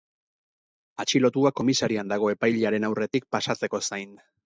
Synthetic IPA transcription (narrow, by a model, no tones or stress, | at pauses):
at͡ʃilo̞t̪uako̞misaɾiand̪aɣ̞o̞e̞pajʎeaɾe̞nawre̞t̪ik̚pasat͡se̞ko̞sajn